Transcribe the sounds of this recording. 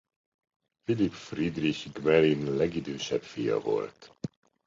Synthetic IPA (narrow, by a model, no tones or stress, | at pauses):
filipfrid̪riçɡmɛlinlɛɡid̪øːʃɛpfijɒ̰vo̞̰lt̪